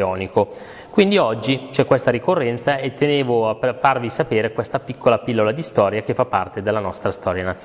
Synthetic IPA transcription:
ɔːniko | kwind̪iɔd͡ʒːit͡ʃɛkːwest̪aɾikorːɛnt̪saet̪ːeneːvoapefːarvisapeːɾekwest̪apikʰːolapilːolad̪ist̪ɔːɾjak̟efːapːa̰rt̪ed̪elːanɔst̪ɾast̪ɔːɾjanat̪s

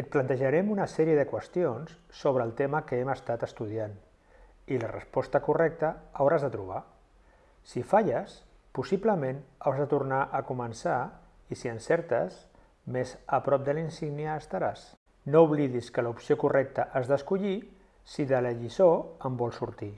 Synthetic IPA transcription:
ət̪̚plant̪əʒaɾɛmunəsɛɾiəðəkwəst̪ionsːoβ̞ɾəːlˠt̪eməkəɛməst̪at̪əst̪uð̞ian | ilərə̰spɔst̪əkurɛk̚t̪əawɾazðət̪ɾuβ̞a | sifaʎəs | pusipləmenawɾzðət̪urnaʔəkumənsa | isiənsɛɾt̪ə̰s | mezəpɾɔp̚d̪əlinsiɣniəːst̪aɾas | nouβ̞liðiskəlupsiokurɛk̚t̪əʔazðəskuʎi | siðələʎisoəmbɔlˠsuɾt̪i

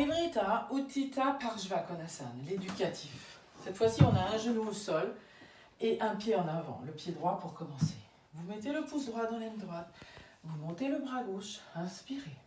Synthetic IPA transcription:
ebʁit̪aot̪ʰit̪apaʁʒvakɔnasa̰nled̪ykʲat̪ʰif | sɛt̪fwasiɔ̃naɛ̃ʒənuosɔl | eʔɛ̃pjeɑ̃navɑ̰̃ləpjed̪ʁwapuʁkɔmɑ̃se | vumɛt̪eləpusd̪ʁwat̪̚d̪ɑ̃lɛnd̪ʁwat̪ | vumɔ̃t̪eləbʁaɡoʃɛ̃spiʁe

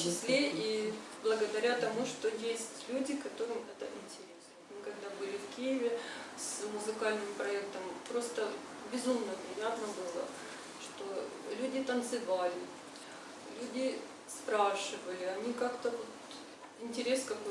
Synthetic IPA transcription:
t͡ɕɪsʲlʲeʔiblˠəɡəd̪ɐɾʲat̪ɐmuʂt̪o̞jesʲtʲlʲudʲɪkɐt̪o̞ɾɨmɛt̪əʔɪnʲtʲɪɾʲe̞səot̪mɨkɐɡ̚d̪abɨlʲɪfkʲijɪvʲɪsmʊzɨkalʲnɨmpɾɐɛk̚t̪əmpɾo̞st̪ə | bʲɪzumnəpɾʲɪjat̪nəbɨlˠə̰ | ʂt̪o̞ | lʲudʲɪt̪ənt̪sɨvalʲɪ | lʲudʲɪ | spɾaʂɨvəlʲɪɐnʲikakt̪əvo̞t̪ | ɪnʲtʲɪɾʲe̞skɐko

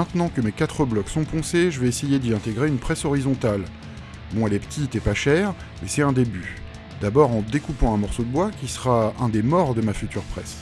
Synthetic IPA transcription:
ɛ̃t̪nɑ̃kəmekat̪χəblɔksɔ̃pɔ̃seʒəvɛesejed̪iɛ̃t̪eɡʁeynpχɛsɔʁizɔ̃t̪al | bɔ̃ɛlɛpə̥t̪ʰit̪ɛpaʃɛʁ | mɛsɛt̪ɛ̃d̪eby | d̪abɔʁɑ̃d̪ekupɑ̃ɛ̃mɔʁsod̪əbwakʲisəʁaɛ̃d̪emɔʁd̪əmafyt̪yʁpχɛs

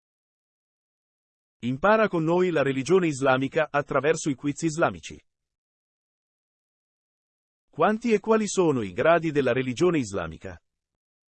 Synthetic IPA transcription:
impaːɾakonːoːjlaɾelid͡ʒoːneizlaːmikaʔat̪ːɾavɛrsoikwit̪sːiːzlaːmḭt͡ʃḭ | kwant̪iekːwaːlisoːnoiɡɾaːd̪id̪elːaɾelid͡ʒoːneizla̰ːmḭka̰

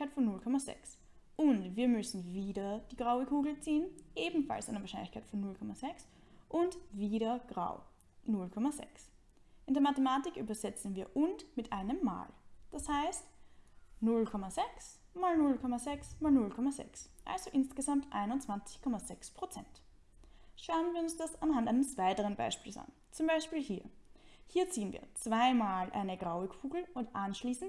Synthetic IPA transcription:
kaɪtfɔnːʊlkʰɔmazɛ̰ks | ʔʊntv̥iːɐmʏsn̩viːdɐd̥iːɡʁaʊəkʰuːɡl̩t͡siːənʔeːbm̩fa̰lsandɐvaɐʃaɪnlɪçkʰaɪtfɔnːʊlkʰɔmazɛks | ʔʊntviːɾɐɡ̥ʁa̰ʊ | nʊlkʰɔmazɛ̰ks | ʔɪndeːɐmatemaːtɪkʔyːbɐzɛt͡sn̩viːɐʔʊntmɪtʔaɪnəmːa̰ːld̥ashaɪst | nʊlkʰɔmazɛks | maːlnʊlkʰɔmazɛksmaːlnʊlkʰɔmazɛ̰ksʔa̰lz̥oʔɪnsɡ̥əzamtʔa̰ɪnʊnt͡sv̥ant͡sɪ̥çkʰɔmazɛkspʁ̥ot͡sɛ̰nt | ʃaʊənviːɐʊnsd̥asanɦantaɪnəsv̥aɪtəʁənba̰ɪʃpiːlsʔa̰n | t͡sʊmbaɪʃpiːlhiːɐhiːɐt͡siːənvḭːɐt͡sv̥aɪmaːlʔa̰ɪnəɡ̥ʁaʊɪɡfuːɡl̩ʊntʔanʃliːsn̩t

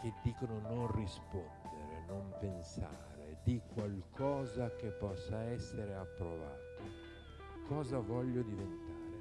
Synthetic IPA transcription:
ked̪ːiːkonononrispɔnd̪eɾenompensa̰ːɾḛd̪ikwalkʰɔːzakepːɔsːaɛsːeɾeapːɾova̰ːt̪o | kɔːzavɔʎːod̪ivent̪aːɾe

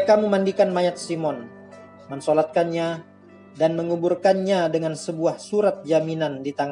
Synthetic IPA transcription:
kamumandikanmaɲat̪̚simɔn | mənsolat̪̚kanɲa | danməŋuburkanɲadəŋansəbuahsuɾat̪̚d͡ʒaminandit̪aŋa

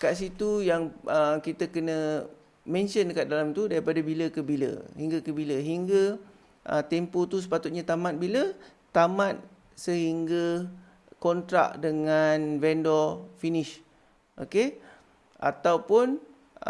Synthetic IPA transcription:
kaʔs̬it̪ujaŋəkit̪əkənə̃ | mɛ̃nʃənkaʔ̪̚dalamt̪udaɾipadabiləkəbilə̰ɦiŋɡakəbiləɦiŋɡa | ʔə̰t̪ɛmpot̪us̬ə̥pat̪ut̪̚ɲat̪amãt̪̚bilə | t̪amãt̪̚ | səɦiŋɡa | kɔnt̪ɾa̰k̚dəŋanvɛndɔfinɪʃ | ʔoke | ʔa̰t̪awpʊn

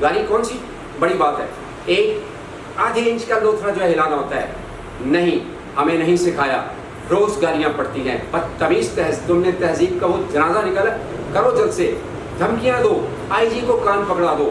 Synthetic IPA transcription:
ɡaːɾikɔːnsi | bɐɽibaːt̪ɦɛ̰ː | eːk | aːd̪ʱiɪ̃nt͡ʃkad̪oːt̪ʰɾãd͡ʒoːɦɛɦɪlaːd̪aɦoːt̪aɦɛ̰ː | nɐɦĩː | hɐmẽnɐɦĩsɪkʰaːja̰ː | ɾoːzɡaːɾijãpɐɽt̪iɦɛ̃ːpɐtt̪ɐbiːst̪ɛɦt̪ʊmnẽt̪ɛɦziːbkaʋod͡ʒɐnaːzanɪkəl | kəɾoːd͡ʒɐlseː | d̪ʱəmkijãːd̪oː | aːid͡ʒikokaːmpɐkɽaːd̪oː

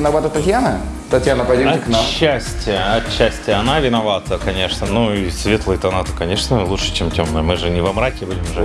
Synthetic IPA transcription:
ɪnɐvat̪ət̪ɐtʲjanə | t̪ɐt̪ʲjanəpɐdʲoɐɪknamɕːæsʲttʲɪjəɐtɕːæsʲtʲɪjəɐnavʲɪnɐvat̪əkɐnʲe̞ʂnənuisʲvʲe̞t̪lˠəjt̪ɐnat̪ə̥kɐnʲe̞ʂnəlˠuʂɨ̥t͡ɕemtʲomnəjəmɨʐɨnʲɪvɐmɾakʲɪbudʲɪmʐɨ

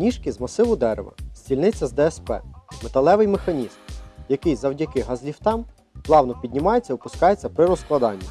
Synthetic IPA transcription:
nʲiʃkɪzmɐsɪʋʊd̪ɛɾḛʋɐ̰sʲt͡sʲilʲnɪt͡sʲːɐzd̪ɛɛspɛ̰met̪ɐlˠɛʋɪjmexɐnʲizmjɐkɪjzɐwdʲɐkɪɦɐzʲlʲiwt̪ɑm | plˠɑwnɔpʲid̪ʲnʲɪmɑjet͡sʲːɐʊpʊskɑjet͡sʲːɐpɾɪɾɔsklˠɐd̪ɑnʲːɐ

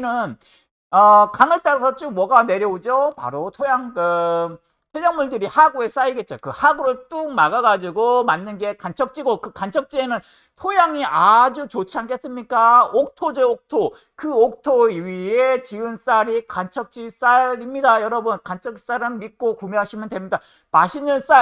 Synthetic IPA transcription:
inɯn | ʌkaŋɯɭt͈aɾasʰʌt͡ɕ͈omwʌɡane̞ɾjʌod͡ʑopa̰ɾotʰojaŋkɯ | tʰed͡ʑʌŋmuɭdɯɾihaɡue̞s͈aiɡe̞t̚t͡ɕ͈okɯhaɡuɾɯɭt͈uk̚maɡaɡad͡ʑiɡomanːɯnɡe̞kant͡ɕʰʌk̚t͡ɕ͈iɡokɯkant͡ɕʰʌk̚t͡ɕ͈ie̞nɯn | tʰojaŋiʔad͡ʑut͡ɕot͡ɕʰianɡes͈ɯmɲik͈aok̚tʰod͡ʑeok̚tʰo | kɯok̚tʰoiɥiet͡ɕiɯns͈aɾikant͡ɕʰʌk̚t͡ɕ͈is͈aɾimɲidajʌɾʌbʌnkant͡ɕʰʌkis͈aɾɯnmik͈okumeɦaɕʰimjʌntwemɲida | maɕʰinɯns͈a

